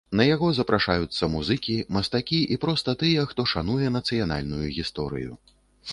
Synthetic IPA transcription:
nɐjaɣɔzɐpɾʔaʂajut̪sːɐmuzɨkʲimɐst̪akʲiʔipɾɔst̪ɐt̪ɨjɛxt̪ɔʂanujɛnɐt̪sɨjana̰lʲnujuɣʲist̪ɔɾɨ̰jṵ

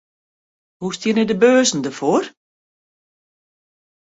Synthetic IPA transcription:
hust̪jənɛdəbøːsn̩dəfoːɾ

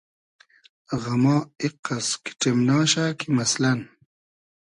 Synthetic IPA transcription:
ʁamɑːiqːaski̥ʈ͡ʂemnɑːɕakimaslan

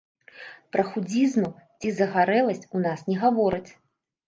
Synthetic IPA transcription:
pɾɐxud͡zʲizmut͡sʲizɐɣaɾɛlˠɐsʲt͡sʲunasnʲɛɣavɔɾɨt͡sʲ

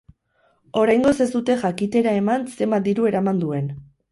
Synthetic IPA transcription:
o̞ɾajŋɡo̞se̞zd̪ut̪e̞ʝakit̪e̞ɾae̞manse̞mad̪iɾue̞ɾamand̪ue̞n

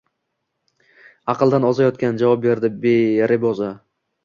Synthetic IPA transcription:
ɑqɨlˠd̪anɒzajɒt̪̚kʲand͡ʒavɒp̚be̞ɾd̪ɪbeɾɪbɒza

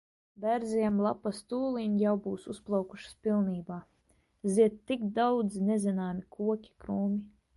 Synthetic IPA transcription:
bʲæɾzʲiɛmlˠapast̪uːlˠiɲjawbuːsusplˠɑwku̥ʃspʲilˠniːbaː | ziɛt̪ːikd̪awd̪zinezʲinaːmikuɔkʲi̥kɾuːmʲi

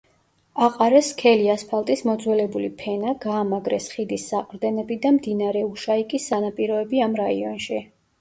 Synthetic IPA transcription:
aqʼaɾɛskʰɛliaspʰalˠt̪ʼismɔd̪zwɛlɛbulipʰɛnaɡaːmaɡɾɛsχid̪isːaqʼɾd̪ɛnɛbid̪amd̪inaɾɛuʃaikʼisːanapʼiɾɔɛbiamɾaḭɔnʃi

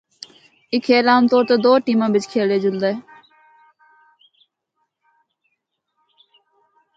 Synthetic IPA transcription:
ɪkʰeːlaːmt̪oːɾt̪eːd̪oːʈiːmãːbɪt͡ʃkʰeːleːd͡ʒʊld̪aeː

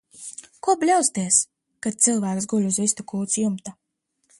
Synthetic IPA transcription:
kuɔblʲawst̪iɛs | kat̪̚t̪sɨlˠvæːksɡulʲuzvʲist̪ukuːt̪sjumt̪a

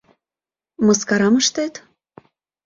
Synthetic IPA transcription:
mɤskɑɾɑməʃt̪et̪

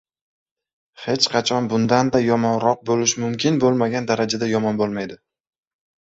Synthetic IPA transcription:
he̞t͡ʃqʰɑt͡ʃʰɒnbʊnd̪and̪ajɒmɒnɾɒq̚bolɪʃmʊmkʲɪnbolˠmaɡʲand̪aɾad͡ʒad̪ajɒmɒnbolˠmajd̪ɪ

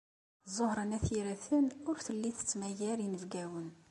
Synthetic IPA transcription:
zˤːohɾˤənæθiɾæθənʊɾθəlːiθə̥t͡sːmæjæɾinəvɡæwən

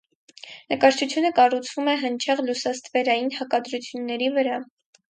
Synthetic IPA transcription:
nəkɑɾt͡ʃʰut͡sʰjunəkɑrut͡sʰvumɛɦənt͡ʃʰɛʁlusɑst̪vɛɾɑjinhɑkɑd̪ɾut͡sʰjunːɛɾivəɾɑ

